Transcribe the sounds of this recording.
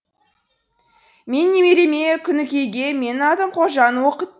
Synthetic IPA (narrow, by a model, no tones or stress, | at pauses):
me̞nːe̞meɾemekʲʰʏnɪkʲe̞jɡʲe̞me̞nɑd̪əmqʰoʒɑnwoqət̪̚